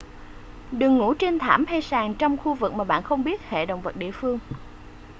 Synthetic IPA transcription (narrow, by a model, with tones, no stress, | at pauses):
ɗɨ˨˩əŋːṵ˧˥t͡ɕe˧nt̪ʰa̰ː˧˩mha˧jsaː˨˩ŋt͡ɕɔ˧wŋ͡mxu˧vɨ˨˩k̚maː˨˩ɓa̰ː˧˨nxə˧wŋ͡mɓi˦˥ət̚hḛ˧˨ɗə̰˧˨wŋ͡mvə˨˩t̚ɗḭ˧˨əfɨ˧əŋ